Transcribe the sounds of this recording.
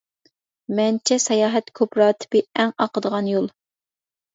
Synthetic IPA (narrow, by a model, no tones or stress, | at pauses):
mɛnt͡ʃʰɛsɛjɑːɦɛt̪kʲʰøpɾɑːt̪ʰɪ̥bɪɛŋɑqəd̪əʁɑnjolˠ